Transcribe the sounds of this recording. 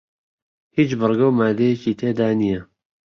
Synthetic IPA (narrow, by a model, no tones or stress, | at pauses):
hit͡ʃbɨrɡowmaːd̪ejɛciːt̪ʰeːd̪aːnijɛ